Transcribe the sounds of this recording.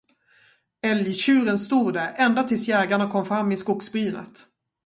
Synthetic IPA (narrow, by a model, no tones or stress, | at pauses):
ɛljɕʉ̟ːɾənst̪uːd̪æɾɛnd̪at̪ʰɪlsjɛːɡaɳakʰɔmfɾamːɪskʊksbɾyːnə̰t̪